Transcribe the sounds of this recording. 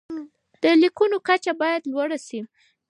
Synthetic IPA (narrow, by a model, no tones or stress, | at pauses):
d̪̥əlikunokat͡ʃabɑjad̪lwaɽasi